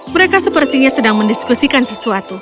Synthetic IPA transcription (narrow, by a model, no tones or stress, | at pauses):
məɾekasəpərt̪iɲasədaŋməndiskusikansəsuat̪u